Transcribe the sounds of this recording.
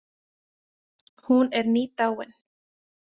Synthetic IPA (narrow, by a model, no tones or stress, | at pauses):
huːneɾnit̪awen